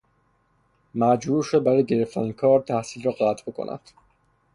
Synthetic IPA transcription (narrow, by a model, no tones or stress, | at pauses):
mæd͡ʒbuːɾʃod̪̚bæɾɒjɟe̞ɾeft̪ʰænikʰɒːɾt̪ʰæhsiːlrɔːɣæt̪ʰbekʰo̰nʔæ̰d̪̥